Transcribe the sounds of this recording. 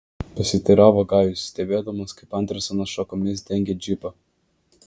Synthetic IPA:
pɐsʲɪt̪ʲiɾɑːʋoɡɑˑːjjʊsːʲt̪ʲɛbʲeːd̪ɐmoskɐɪpɐnt̪ʲɾʲɐsʲɐnɐsʃɔkɔmʲɪsd̪ʲɛŋʲɡʲɛd͡ʒʲɪpɐ

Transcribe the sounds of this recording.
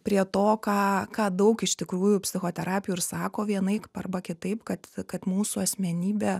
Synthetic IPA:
pʲɾʲiɛt̪oːkɑːkɑːd̪ɐʊkɪʃt̪ʲɪkɾuːjʊpʲsʲɪxoːt̪ʲɛɾʔɑːpʲjuːɪɾsɑːkoːʋʲiɛnɐɪkpɐrbɐkʲɪt̪ɐɪpkɐt̪kɐt̪muːsuɐsʲmʲɛnʲiːbʲeː

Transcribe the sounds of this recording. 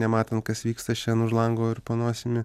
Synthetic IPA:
nʲɛmɑːt̪ʲɐnt̪̚kɐsʋʲiːkst̪ɐt͡ʃʲɛnʊʒlˠɐŋɡoːɪɾpoːnoːsʲɪmʲɪ

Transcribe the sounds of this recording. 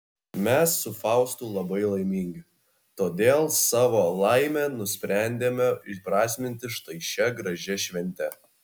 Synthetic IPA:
mʲɛsːʊfɑˑʊst̪uːlˠɐbɐɪlˠɐɪmʲiːŋʲɡʲɪ | t̪oːd̪ʲeːlˠsɑːʋoːlˠɑɪmʲɛnʊsʲpʲɾʲæˑnʲd̪ʲeːmʲɛɪpɾɑːsʲmʲɪnʲt̪ʲɪʃt̪ɐɪʃʲɛɡɾɐʒʲɛʃʲʋʲɛnʲt̪ʲɛ

